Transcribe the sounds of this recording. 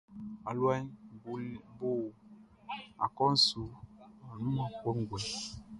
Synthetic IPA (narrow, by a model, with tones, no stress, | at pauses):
a˨lwa˦bu˨˦bo˦˨ | a̰˨kɔ˦n̩˦su˨a˨nu˦ma˨ko˦ŋ˦ɡwɛ˨